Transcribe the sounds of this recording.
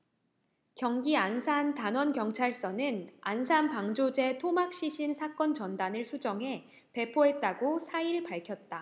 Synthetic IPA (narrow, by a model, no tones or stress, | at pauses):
kjʌŋɡiansʰantanwʌnkjʌŋt͡ɕʰaɭs͈ʌnɯnansʰanpaŋd͡ʑod͡ʑe̞tʰomak̚ɕ͈iɕʰinsʰak͈ʌnt͡ɕʌndanɯɭsʰud͡ʑʌŋɦe̞ | pe̞pʰoɦet̚t͈aɡosʰaiɭpaɭkʰjʌt̚t͈a